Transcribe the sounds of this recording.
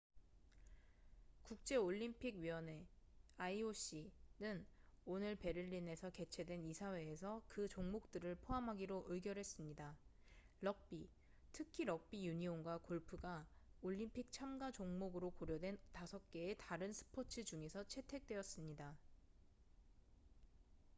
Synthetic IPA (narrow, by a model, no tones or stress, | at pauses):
kuk̚t͡ɕ͈e̞oʎːimpʰiɡɥiwʌne̞aioɕ͈inɯnonɯɭpe̞ɾɯʎːine̞sʰʌke̞t͡ɕʰe̞dwe̞nisʰawe̞ːsʰʌkɯt͡ɕoŋmok̚t͈ɯɾɯɭpʰoɦamɦaɡiɾoʔɯɡjʌɾɦe̞s͈ɯmɲida | lʌk̚p͈i | tʰɯkʰiɾʌk̚p͈ijuɲioŋɡwakoɭpʰɯɡaoʎːimpʰik̚t͡ɕʰamɡad͡ʑoŋmoɡɯɾokoɾjʌdwe̞ntasʰʌk̚k͈e̞ːtaɾɯnsʰɯ̥pʰot͡ɕʰɯd͡ʑuŋe̞sʰʌt͡ɕʰe̞tʰe̞k̚t͈we̞ʌs͈ɯmɲida